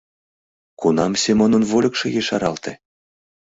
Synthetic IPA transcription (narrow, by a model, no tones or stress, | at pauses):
kunɑmsʲemɤnə̆nvolʲɤkʃejeʃɑɾɑlt̪e